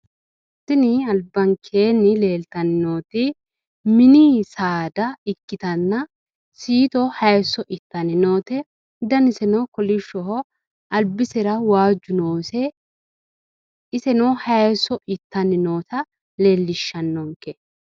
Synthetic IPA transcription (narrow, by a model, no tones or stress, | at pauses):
t̪ːɪnɪɐlbːɐŋkʰeːnːɪle̞ːlt̪ɐnɪno̞ːt̪ɪ | mɪniːsaːd̪ɐɪkːɪt̪ɐnːɐ | siːt̪ɔhɐjsːɔʔɪt̪ːɐnɪnoːt̪ɛ | d̪ɐnɪsɛnɔkɔlɪʃːɔɦɔ | ɐlbɪsɛɾɐwaːd͡ʒːʊnoːsɛ | ɪsɛnɔhɐjɛsɔʔɪt̪ːɐnɪno̞ːt̪ɐ | le̞ːlːɪʃːɐnːɔŋkɛ